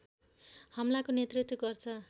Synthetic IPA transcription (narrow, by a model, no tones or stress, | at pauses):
hʌmlakonjet̪rit̪wʌɡʌrt͡sʰʌ